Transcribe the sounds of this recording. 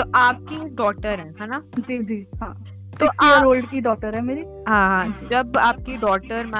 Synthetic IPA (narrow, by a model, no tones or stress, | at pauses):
t̪oʔaːp̚kiɖɔːk̚ʈəɾɦɛ̃ɦɛnad͡ʒiːd͡ʒiːɦãː | t̪ɪsioɾoːlɖkiɖɔːk̚ʈəɾɦɛmeːɾi | ɦãɦãd͡ʒid͡ʒɐbaːp̚kiɖɔːk̚ʈəɾma